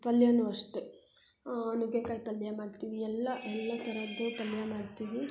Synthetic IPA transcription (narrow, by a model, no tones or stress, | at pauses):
pɐljanuɐʂʈu | ɐnuɡekaːjpɐlːjamaːɖt̪iːʋiɛlːɐʔɛlːɐt̪ɐɾɐd̪ːupɐljamaːɖt̪iːʋi